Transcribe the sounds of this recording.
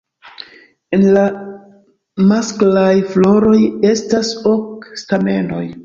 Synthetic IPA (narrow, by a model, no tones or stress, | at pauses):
enla | masklajflo̞ɾo̞je̞stasokstame̞no̞̰j